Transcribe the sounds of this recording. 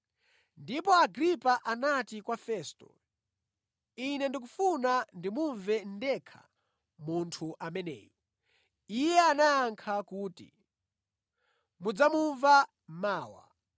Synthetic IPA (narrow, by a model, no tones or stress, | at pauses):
ndipɔaɡɾipaʔanatikwafɛːstɔ̰ | inɛndik̬ufunandimuɱvɛndɛkʰa̰ | muntʰuʔamɛnɛ̰ːji | ijɛanajaŋkʰakuːtḭ | mud͡zamuɱva | maːwa̰